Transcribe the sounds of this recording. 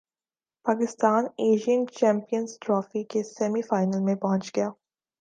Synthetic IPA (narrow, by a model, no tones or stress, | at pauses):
paːkɪst̪aːneːʒiənt͡ʃɛ̃ːmpijənzʈɾɔːfikesɛmifaːɪnəlmẽpɐɦɔ̃nt͡ʃɡɐjaː